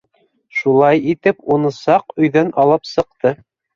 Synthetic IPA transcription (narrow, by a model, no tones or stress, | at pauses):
ʃulˠɑjit̪ɘpunɤ̆sɑqɵ̆jðænʔɑlˠɤpsɤ̆q̚t̪ɤ